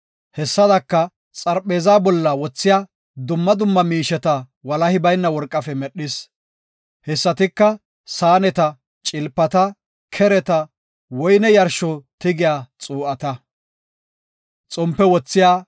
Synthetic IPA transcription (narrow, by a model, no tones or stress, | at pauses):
hɛsːɐd̪ɐkːɐ | t͡sʼɐɾpʼːe̞ːzaːbɔlːɐwɔt͡sːɪjaː | d̪ʊmːɐd̪ʊmːɐmiːʃɛt̪ɐ | wɐlɐhɪbɐjnːɐwɔɾkʼːɐfɛmɛɗːɪs | hɛsːɐt̪ɪkːɐ | saːnɛt̪ɐ | t͡ʃʼɪlpːɐt̪ɐ | kʰɛɾɛt̪ɐ | wɔjnɛjɐɾʃɔt̪ɪɡɪjaːt͡sʼuːʔɐt̪ɐ | t͡sʼɔmpːɛwɔt͡sːɪjaː